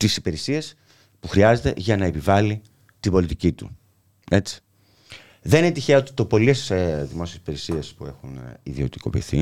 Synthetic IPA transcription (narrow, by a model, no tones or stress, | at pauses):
t̪isipe̞ɾisies | puxɾiɐze̞t̪e̞̰ʝɐnɐe̞pivɐli | t̪ibo̞lit̪icit̪u | e̞t͡si̥ | ðeninet̪içeɐot̪i̥t̪o̞po̞liest̪i̥sðimo̞siesi̥pe̞ɾisiespue̞xunḭðio̞t̪i̥ko̞̰pḭθḭ